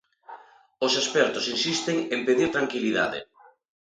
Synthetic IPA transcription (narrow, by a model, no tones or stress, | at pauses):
osespɛɾt̪osinsist̪eŋempeðiɾt̪ɾaŋkiliða̰ðɪ̰